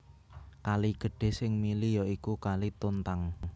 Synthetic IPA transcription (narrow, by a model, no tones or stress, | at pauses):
kaliɡ̥ə̤ɖ̥e̤sɪŋmilijɔikukalit̪ont̪aŋ